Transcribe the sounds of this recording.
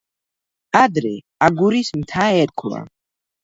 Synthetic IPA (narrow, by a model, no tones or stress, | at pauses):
ad̪ɾɛ | aɡuɾismt̪ʰaɛɾkʰla̰